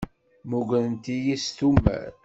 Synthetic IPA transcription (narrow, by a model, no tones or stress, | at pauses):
muɡʷənənt̪ijist̪ummːæ̰ɾ